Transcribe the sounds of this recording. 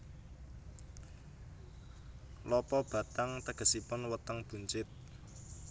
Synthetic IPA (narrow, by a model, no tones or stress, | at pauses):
lɔpɔb̥ä̤t̪aŋt̪əɡ̥ə̤sipʊnwət̪əŋb̥ṳɲt͡ʃɪt̪̚